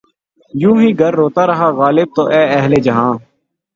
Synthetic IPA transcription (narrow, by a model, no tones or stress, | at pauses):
jũːɦĩːɡʱəɾːoːt̪aːɾəɦaːɣaːlɪb̚t̪oːʔɛːɛɦleːd͡ʒəɦãː